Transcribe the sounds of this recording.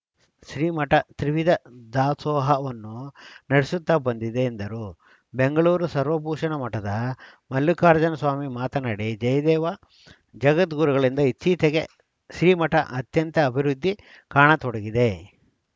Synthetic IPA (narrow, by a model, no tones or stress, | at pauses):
ʃɾiːmɐʈɐt̪ɾiʋid̪ɐd̪aːt̪sɔːɦɐʋɐnːunɐɽisut̪ːabɐnd̪id̪eːnd̪ɐɾu | beŋɡɐɭuːɾusɐɾʋɐp̬uːʂɐɳɐmɐʈɐd̪ɐ | mɐlːukaːɾɐd͡ʒɐnɐsʋaːmimaːt̪ɐnaːɽid͡ʒɐjɐd̪ɛːʋɐ | d͡ʒɐɡɐt̪ɡuːɾuɡɐɭind̪ɐit͡ʃːiːt̪eɡe | ʃɾiːmɐʈɐ̰ʔɐt̪jɐnt̪ɐːbʱiɾud̪ʱːi | kaːɳɐt̪ɔɽɐɡid̪e